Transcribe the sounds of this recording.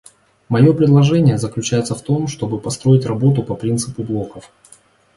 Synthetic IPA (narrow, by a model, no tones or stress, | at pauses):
mɐjo̞pɾʲɪd̪lˠɐʐɛnʲɪjəzəklʲʉt͡ɕæjɪt̪səft̪o̞mʂt̪o̞bɨpɐst̪ɾo̞ɪtʲrɐbo̞t̪ʊpɐpɾʲint̪sɨpʊblˠo̞kəf